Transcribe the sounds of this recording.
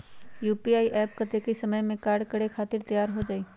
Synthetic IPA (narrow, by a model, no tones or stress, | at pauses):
juːpiaːiʔɛːpkɐt̪ekisɐməjmẽkaːɾɖkɐɽekʰaːt̪ɪɾt̪əjaːɾɦod͡ʒaːiː